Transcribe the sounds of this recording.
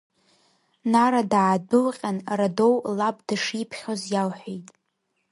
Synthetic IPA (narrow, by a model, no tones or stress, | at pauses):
naɾadaːdɨlqʲʼanrado̞wlab̚daʂipʰχʲozjalħʷejtʼ